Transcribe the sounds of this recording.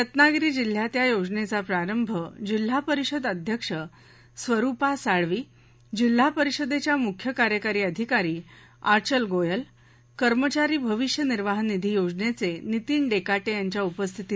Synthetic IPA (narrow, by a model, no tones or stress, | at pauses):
ət̪naɡɾiːd͡ʑil̤ːjat̪jajod͡ʑnet͡sapɾaɾəmbʱəd͡ʑil̤ːapəɾiɕəd̪əd̪ʱjəkʂə | sʋəɾupasaɭʋiː | d͡ʑil̤ːapəɾiɕəd̪et͡ɕjamukʰjəkaɾjəkaɾiːəd̪ʱikaɾiː | aɾt͡ɕəlɡojəl | kəɾmət͡ɕaɾiːbʱəʋiʂjəniɾʋaɦnid̪ʱiːjod͡ʑnet͡senit̪iːnɖekaʈejaɲt͡ɕjaupəst̪ʰit̪i